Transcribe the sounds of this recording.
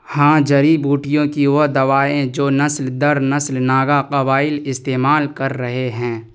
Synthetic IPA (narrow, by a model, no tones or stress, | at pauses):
hãːd͡ʒɐɾibuːʈɪjõkiʋod̪ɐʋaːẽd͡ʒoːnɐsld̪ɐɾnɐslnaːɡaqɐbaːɪlɪst̪eːmaːlkɐɾːɐɦeɦɛ̃ː